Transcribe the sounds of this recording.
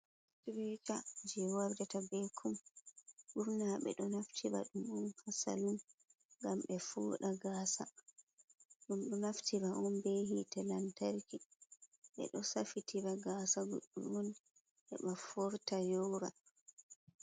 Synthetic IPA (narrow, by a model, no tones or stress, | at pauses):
swɛt͡ʃad͡ʒɛwaɾdɛtabɛkʰum | ɓuɾnaɓɛ̰ɗɔnaftʰiba̰ɗumɔnhasa̰lun | ŋɡamɓɛfṵːɗaɡaːsa̰ | ɗumɗɔnaftʰibaʔɔnbehitɛlantaɾki | ɓɛ̰ɗɔsafitʰibaɡaːsaɡoɗːṵmɔn | ʔɛ̰ɓafɔɾtajɔːɾa